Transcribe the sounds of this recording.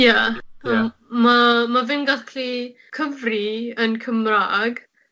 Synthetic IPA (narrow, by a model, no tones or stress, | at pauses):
jaəm | mamavɪnɡakʰli | kʰəvriənkʰəmraːɡ